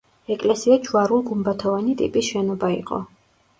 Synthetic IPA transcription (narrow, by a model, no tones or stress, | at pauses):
ɛkʼlɛsiad͡ʒuaɾulˠɡumbat̪ʰɔvanit̪ʼḭpʼisʃɛnɔbaḭqʼɔ̰